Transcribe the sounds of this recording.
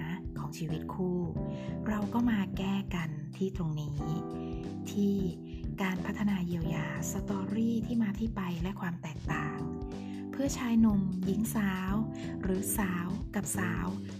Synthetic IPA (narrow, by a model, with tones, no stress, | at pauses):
kʰɔː˩˦ŋt͡ɕʰiː˧wi˦˥t̪̚kʰuː˥˩ɾa˧wkɔː˥˩maː˧kɛː˥˩ka˧nt̪ʰiː˥˩t̪ɾo˧ŋniː˦˥ | t̪ʰiː˥˩ | kaː˧npʰa˦˥t̪ʰːa˧naː˧ji˧əwjaː˧sa˧t̪ɔː˧ɾiː˥˩t̪ʰiː˥˩maː˧t̪ʰiː˥˩pa˧jlɛ˦˥kʰwaː˧mt̪ɛː˨˩k̚t̪aː˨˩ŋ | pʰɯ˥˩ɐt͡ɕʰaː˧jnu˧˩mji˨˦ŋsaː˨˦˥w | ɾɯː˩˦saː˨˦wka˨˩p̚saː˩˦˥w